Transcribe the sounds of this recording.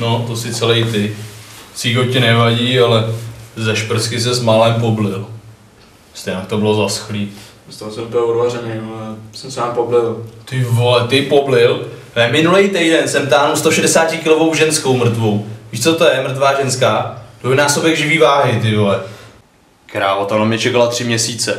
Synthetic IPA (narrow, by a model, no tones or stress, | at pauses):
not̪osɪt͡sɛlɛjt̪ɪ | siːɦocɛnɛvaɟiːalɛzɛʃpɾskɪs̬ɛzmalɛmp̬oblɪl | st̪ɛjnakt̪obɪlo̞zasxliːt̪ | st̪aosɛnpɪlodvarɛnejoɛsɛmsaːmpoblɪlt̪ɪvolɛt̪ɪpoblɪl | ɛmɪnulɛjt̪ɛjdɛnsɛmt̪aːnust̪oʃɛdɛsaːcɪkɪlovo̞wʒɛnskowmr̩t̪vowviːʃt͡sot̪ojɛmɾ̩t̪vaːʒɛnskaːd̪ojnaːsobjɛɣʒɪviːvaːɦɪt̪ɪvolɛ | kɛɾaːot̪onamɲɛt͡ʃɛkalat̪r̝̥ɪmɲɛsiːt͡sɛ